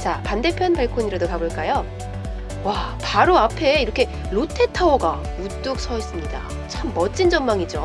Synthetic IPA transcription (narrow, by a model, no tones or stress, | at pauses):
t͡ɕapande̞pʰjʌnpaɭkʰoɲiɾadokaboɭk͈ajo | wapaɾoapʰe̞iɾʌkʰe̞ | ɾotʰe̞tʰaoɡa | ut͈ok̚sʰʌis͈ɯmɲida̰ | t͡ɕʰamːʌtt͡ɕ͈ind͡ʑʌmmaŋid͡ʑo